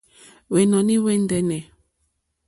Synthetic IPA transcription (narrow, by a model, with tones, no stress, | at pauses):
wɛ˨nɔ˨ni˦wɛ˦ndɛ˦nɛ˨